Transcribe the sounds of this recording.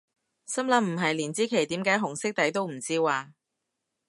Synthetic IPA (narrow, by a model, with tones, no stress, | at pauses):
sɐ˥mlɐ˧˥m̩˨˩ɦɐ˨jliː˨˩nt͡siː˨˥kʰe˨˩jt̪iː˨˥mkaː˨˥jɦʊ˨˩ŋsɪ˥k̚t̪ɐ˨˥jt̪o˥wm̩˨˩t͡siː˥waː˨˧